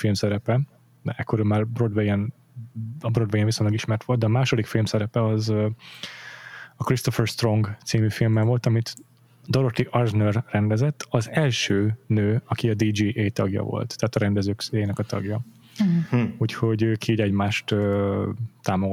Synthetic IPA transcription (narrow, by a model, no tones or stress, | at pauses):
filmsɛɾɛpɛ | ɛɛkːoɾømːaːrbro̞d̪ʋɛjɛn | ɒbrod̪ʋɛɡɛnvisoɲlɒɡiʃmɛrt̪ʋo̞ld̪d̪ɛɒmaːʃo̞d̪ikfilmsɛɾɛpɛɒzø | ɒkɾrist̪o̞fɛrst̪ro̞ŋɡt̪siːmyːfilmːɛɱvo̞lt̪ɒmit̪ | d̪oɾot̪iʔɒrnørːɛnd̪ɛzɛt̪ːɒzɛlʃøːnøːɒkiɒd̪iːd͡ʒiːʔeːt̪ɒ̰ɡjɒ̰vo̰lt̪ːaɦːt̪ɒɾɛnd̪ɛzøːkseːjnɛkɒt̪ɒ̰ɡjɒ | uːcho̞ɟøːkiːɟɛɟmaːʃt̪ø | t̪ːaːmoɡ